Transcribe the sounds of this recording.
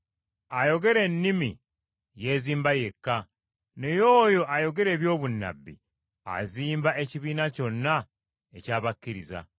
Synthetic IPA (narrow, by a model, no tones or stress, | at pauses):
ajo̞ɡe̞ɾe̞nːimi | je̞ziːmbaje̞kːa | nejoːjo̞ʔajo̞ɡe̞ɾe̞ːβjo̞ːβunːa̰bːḭ | a̰ziːmbaʔe̞ciβiːnaco̞nːa | e̞caːβakːiɾiza̰